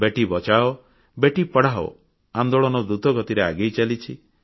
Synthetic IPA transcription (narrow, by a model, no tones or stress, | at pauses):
beʈibɔt͡ʃaɔ | beʈipɔɽaɦɔ̰ | and̪oɭɔnɔd̪ut̪ɔɡɔt̪iɾeaɡejt͡ʃalit͡ʃʰi